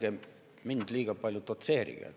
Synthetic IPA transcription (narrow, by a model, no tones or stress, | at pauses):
ke | mint̪lʲiːkɑpɑljot̪ot̪sehrḭkæ̰